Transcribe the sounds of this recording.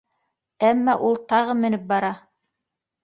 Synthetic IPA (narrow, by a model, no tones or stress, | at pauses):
æmːɑʔulˠt̪ɑʁɤmɘ̆nɘp̚bɑɾɑ